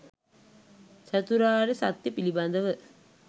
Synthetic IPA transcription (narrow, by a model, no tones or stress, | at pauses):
sət̪uɾaːɾesa̰t̪jəpiliband̪əʋə